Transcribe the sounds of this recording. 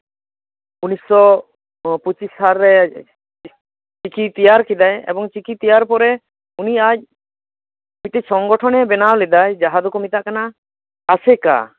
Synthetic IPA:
unisːɔ | put͡ʃisɦaɾːɛ | t͡ʃikʰit̪ijaɾkid̪ajɛ̰bɔŋt͡ʃikit̪ijaɾpɔɾɛ | uniad͡ʒ̚ | mit̪ɛsɔŋɡɔʈʰɔnɛbɛnawlɛd̪ajd͡ʒaɦad̪ɔkomit̪aʔkanaː | sɛka̰

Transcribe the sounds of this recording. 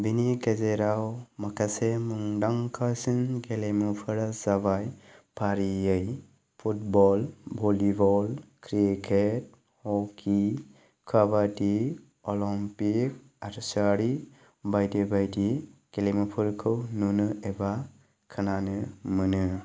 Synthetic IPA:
binikezeɾawmakʰasemuŋdaŋkʰasɯnɡelemupʰɯɾaz̥aβajpʰaɾiɯj | pʰut̚bɔlbɔlibɔlkʰɾikʰet̚ | hɔkʰi | kʰabati | ɔlɔmpik̚ | aɾsaɾi | bajdibajdiɡ̥elejmupʰɯɾkʰɯwnunɯeba | kʰɯnanɯmɯnɯ

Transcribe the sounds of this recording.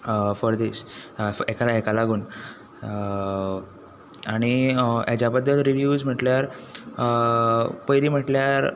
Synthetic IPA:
fɔɾd̪isekalekalaɡuːn | aɽ̃ijat͡ɕjabəd̪ːəlt̪ɾiʋjuːd͡zm̤əʈljaɾ | pəjɾiːm̤əʈljaɾ

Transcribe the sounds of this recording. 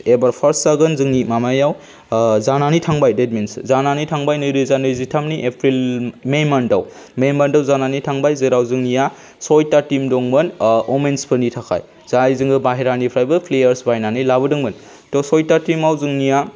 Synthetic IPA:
ebaɾpʰɐɾsːaɡɯnzɯŋnimamajaw | zananitʰaŋbajded̚minszananitʰaŋbajnɯjɾɯzanɯjzitʰamniʔepʰɾilmemɐndaw | memandawzananitʰaŋbajzɯɾawzɯŋnija | sɔjtatimdoŋmɯnomenspʰɯnitʰakʰa̰j | zajzɯŋɡɯbaɦeɾanipʰɾajbɯpʰlejɐɾsbajnanɯjlabɯdɯŋbɯn | tosɔjtatimawzɯŋnija

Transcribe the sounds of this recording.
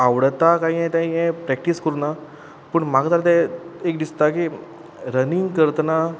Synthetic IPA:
aʋɽt̪akaɦĩɦɛ̃t̪ãiɛ̃pɾɛk̚ʈiskəɾuna | pəɳmaɡat̪alat̪ɛekd̪ist̪aki | ɾəniŋɡkəɾt̪əna

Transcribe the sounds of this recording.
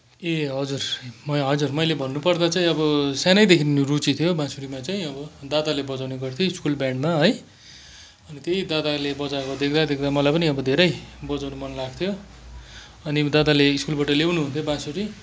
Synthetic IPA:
eɦʌd͡zurmʌɦʌd͡zurmʌjlebʱʌnːupʌrd̪at͡saĩʌbʌsanʌjd̪ekʰinnirut͡sit̪ʰjobãsuɾimat͡saĩʌbʌd̪at̪alebʌd͡zawneɡʌrt̪ʰjoiskulbjãɳɖmaɦʌj | ʌnit̪ejd̪at̪alebʌd͡zakod̪ekʰd̪ad̪ekʰd̪amʌlajpʌniʌbʌd̪ʱeɾʌjbʌd͡zawnumʌnlaɡt̪ʰjo | ʌnid̪ad̪aleiskulbaʈʌlewnuɦunt̪ʰjobãsuɾi

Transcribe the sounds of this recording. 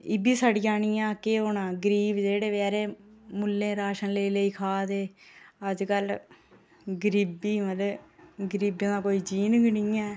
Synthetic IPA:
ɪbiːsaːɖijãːɳiːãːkeɦoːnãːɡəɾiːbd͡ʒeːɽeːʋɛːɾeːmʊlːẽːɾaːʃənleːləiːkʰaːd̪eːəd͡ʒkəl | ɡəɾiːbiːməleɡəɾiːbẽːd̪aːkoːiːd͡ʒiːnəɡnɪːɛ̃ː

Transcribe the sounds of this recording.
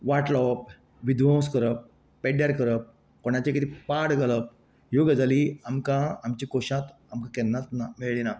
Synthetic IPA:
ʋaʈlɔp̚ | ʋid̪ʋõwskəɾəp̚ː | eɖjaɾkəɾəp̚ | koɳ̃at͡ɕakit̪ipaɽɡələp̚ | joɡəd͡zaliamkãamt͡ɕikoɕãt̪amkãkɛnːat̪nameɭɭina

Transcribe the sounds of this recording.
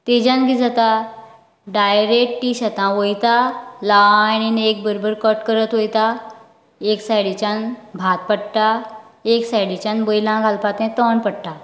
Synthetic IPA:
t̪ed͡ʑãnɡid͡zat̪a | ɖajɾek̚ʈiɕat̪ãʋojt̪alaninek̚bəɾobəɾkəʈkəɾət̪ʋojt̪a | eksajɽit͡ɕãnbʱat̪̚pəɽʈaeksajɽit͡ɕãnbəjlãɡʱalpat̪ɛ̃t̪ɔɳpəɽʈa

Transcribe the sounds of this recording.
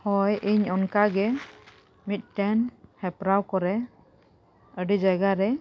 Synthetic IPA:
hɔjʔiɲɔnkaɡɛ | mit̪̚ˀʈɛnhɛpɾawkɔɾɛ | əɖid͡ʒajɡaɾɛ

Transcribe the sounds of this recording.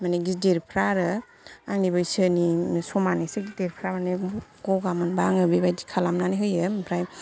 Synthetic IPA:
maneɡideɾpʰɾaɾɯ | aŋnibɯjsɯnisɔmanisɯɡideɾpʰɾamaneɡɔɡamɯnbaŋɯbibajdi̥kʰalamnaniɦɯjɯmpʰɾaj

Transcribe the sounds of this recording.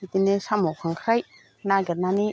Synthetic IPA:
it̪inesamɔwkʰaŋkʰɾaj | naɡet̚nani

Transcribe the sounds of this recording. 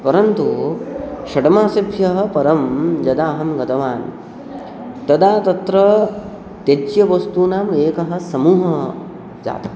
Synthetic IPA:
pɐɾɐnt̪u | ʃɐʈɐmaːsibʱjɐɦɐ̆pɐɾɐmd͡ʒɐd̪aːɦɐmɡɐt̪ɐʋaːn | t̪ɐd̪aːt̪ɐt̪ɾɐ | t̪ed͡ʒjɐʋɐst̪uːnaːmeːkɐɦɐ̆sɐmuːɦɐ | d͡ʒa̰ːt̪ɐɦ

